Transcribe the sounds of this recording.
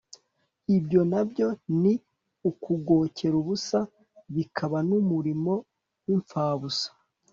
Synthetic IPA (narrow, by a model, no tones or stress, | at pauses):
ibjo̞nabjo̞ni | ukuɡo̞cʰe̞ɾuβusa | βikʰaβanumuɾimo̞ | wiɱfaːβusḁ